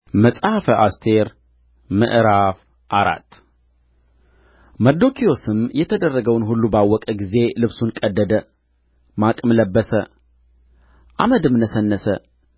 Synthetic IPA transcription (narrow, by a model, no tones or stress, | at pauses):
məsʼhfəʔast̪ʰe̞ɾ | mɨ̰ʔɾaf | ʔaɾa̰t̪ː | məd̪okʰijo̞sɨmjɛt̪ʰəd̪ərːəɡəwnɦulːubawːɔkʼəɡize̞lɨβsunkʼəd̪ːəd̪ə | makʼmləbːəsə | ʔa̰məd̪ɨmnəsənːəsə